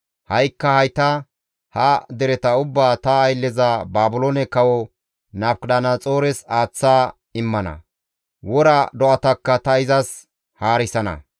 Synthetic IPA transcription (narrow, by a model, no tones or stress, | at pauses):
hɐjkːɐhɐjt̪ɐ | hɐd̪ɛɾɛt̪ɐʊbːaːt̪ɐːjlːɛzɐbaːbʊlonɛkɐwɔ | nɐːpkɗaːnɐt͡sʼo̞ːɾɛsaːt͡sːaː | ɪmːɐnɐ̰ | wɔɾɐd̪ɔʔɐt̪ɐkːɐt̪ɐɪzɐs | haːɾɪsɐnɐ̰